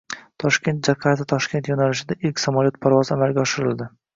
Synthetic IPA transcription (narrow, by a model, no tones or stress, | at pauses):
t̪ʰɒʃkʲe̞nt̪̚d͡ʒaɾqʰaɾat̪ɪt̪ʰɒʃkʲe̞nt̪jonalɪʃɪd̪aʔɪlkʲsamaljot̪̚pʰaɾvɒzamalɡʲaɒʃɪɾɪld̪ɪ